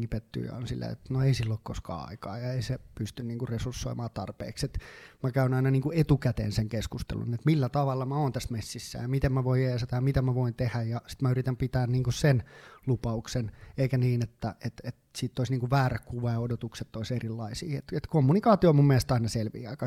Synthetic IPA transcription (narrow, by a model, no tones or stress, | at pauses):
ŋːipet̪ːy̰ːɑ̰o̰nsilːḛḛt̪noeisilːoːkkoskɑ̰ːɑ̰ikɑ̰ːjɑeisepyst̪ynniːŋkurresursːo̰imɑːt̪ɑ̰rpḛːkset̪mækæynɑinɑniːŋkuet̪ukæt̪ḛːnseŋkeskust̪ḛlṵnet̪milːæt̪ɑʋɑlːɑmæoːnt̪æsmesːisːæ̰jɑmit̪emmæʋoijeset̪æɑjɑmit̪æmæʋoint̪ehæjjɑsi̥t̪mæyrit̪æmpit̪æːnniːŋkussenlupɑukseneikæniːnet̪ːæet̪et̪siːt̪ːoisniːŋkuʋʋæːrækkuʋɑjɑodot̪ukset̪ːoiserilːɑisḭːḛt̪et̪komːunikɑːt̪iomumːelest̪ɑinɑselʋḭːɑikɑ